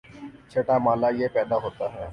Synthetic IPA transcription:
t͡ʃʰeːʈaːmaːlajepɛːd̪aɦoːt̪aɦɛː

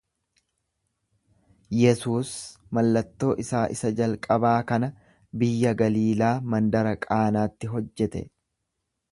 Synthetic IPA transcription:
jɛsuːs | mɐlːɐt̪ːo̞ːʔɪsaːʔɪsɐd͡ʒɐlkʼɐbaːkɐnɐ | bɪjːɐɡɐliːlaːmɐnd̪ɐɾɐkʼaːnaːt̪ːɪɦɔd͡ʒːɛt̪ɛ̰

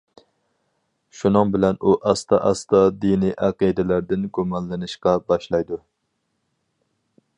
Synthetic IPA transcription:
ʃunɨŋbɪlɛnuʔɑst̪ɑʔɑ̰st̪ɑd̪iniʔæqid̪ɪlæɾd̪ɪnɡumɑnlɨnɨʃqɑbɑʃlˠɑjd̪u

